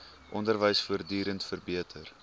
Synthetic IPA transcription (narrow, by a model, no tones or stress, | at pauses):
ʔɔndərvəjsfuərdyːɾəntfərbiətʰər